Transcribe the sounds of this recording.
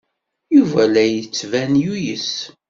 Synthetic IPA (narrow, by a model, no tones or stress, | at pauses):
juvælæjət͡sːvænjujəs